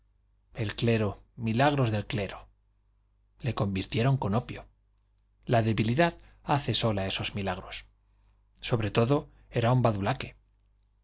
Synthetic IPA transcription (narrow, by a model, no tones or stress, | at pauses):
e̞lkle̞ɾo̞ | milaɣ̞ɾo̞zðe̞lkle̞ɾo | le̞ko̞mbiɾt̪je̞ɾo̞ŋko̞no̞pjo | laðe̞βiliðaðaθe̞so̞lae̞so̞zmilaɣɾo̞sː | o̞βɾe̞t̪o̞ðo̞ | e̞ɾaumbaðulake̞̥